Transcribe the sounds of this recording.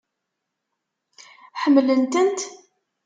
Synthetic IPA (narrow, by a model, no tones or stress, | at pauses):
ħəmːlənt̪ənt̪